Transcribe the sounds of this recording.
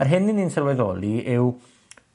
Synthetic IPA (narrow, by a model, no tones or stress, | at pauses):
arɦɪninːinsɛrwɛðɔ̰lˠiʔɪw